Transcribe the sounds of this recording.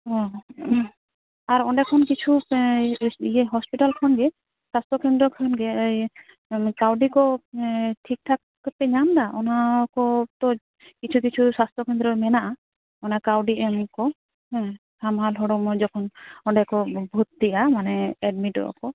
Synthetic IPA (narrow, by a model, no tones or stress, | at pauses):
ɦɔ̃ | aɾɔɳɖɛkʰɔnkit͡ʃʰu | ieɦɔspiʈalkʰɔnɡɛ | sast̪ʰɾɔkend̪ɾɔkʰɔnɡɛj | kawɖikɔ | ʈʰik̚ʈʰak | pɛɲamd̪aʔɔnakɔt̪ɔ | kit͡ʃʰukit͡ʃʰusast̪ʰɾɔkend̪ɾɔmɛnaʔa | ɔnakawɖiɛmkɔ | ɦɛ̃ | amɦalɦɔɽɔmɔd͡ʒɔkʰɔnɔɳɖɛkɔbʱut̪t̪iʔamanɛɛɖmiʈɔ̰ɔ̰kɔ